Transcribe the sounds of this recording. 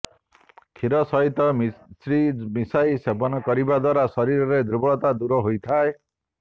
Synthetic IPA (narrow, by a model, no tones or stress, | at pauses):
kʰiɾɔsɔɦit̪ɔsɾimisajsebɔnɔkɔɾibad̪waɾasɔɾiɾɔɾed̪ɾubɔɭɔt̪ad̪uɾɔɦojt̪ʰae